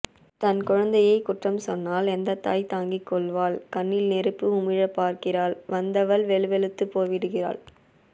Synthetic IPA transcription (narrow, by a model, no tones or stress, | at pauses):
t̪ɐnkʊɻɐnd̪ɐjɐɪkʊʈrɐmsɔnːaːlɛnd̪ɐt̪ːaːjt̪aːŋɡikːɔɭʋaːlkɐnːɪlnɛɾɯpːɯʊmɪɻɐpːaːɾkɪraːlʋɐnd̪ɐʋɐlʋɛɭɯʋɛɭɯt̪ːɯpːoːʋɪɽɯɣɪra̰ːɭ